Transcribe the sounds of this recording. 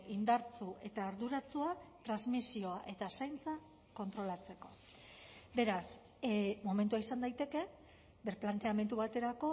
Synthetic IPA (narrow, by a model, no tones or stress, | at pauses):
ind̪aɾt͡sue̞t̪aːɾðuɾat͡suat̪ɾazmisio̞aʔe̞t̪asajnt͡sa | ko̞nt̪ɾo̞lat͡se̞ko̞ | be̞ɾas | mo̞ment̪uaisand̪ajt̪e̞ke̞ | beɾplant̪e̞ame̞nt̪̬uβat̪e̞ɾako̞